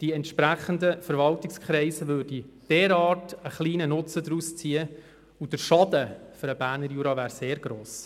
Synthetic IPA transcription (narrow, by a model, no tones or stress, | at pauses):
d̥iɛntʃpɾæχəndəfəɾvɑltɪkskχɾɛɪsəʋøːɾd̥id̥ɛːɾɑːtəχliːnənʊt͡sədɾust͡siːə | ud̥əɾʃɑd̥əføɾəbæːɾnəɾjuːɾɑvæːɾseːɾɡ̥ɾoːs